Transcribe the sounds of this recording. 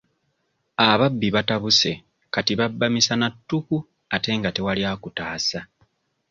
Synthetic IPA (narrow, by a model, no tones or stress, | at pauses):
aβabːiβataβuse̞ | katiβabːamisanatːuku | ate̞ːŋɡate̞waljaːkutaːsa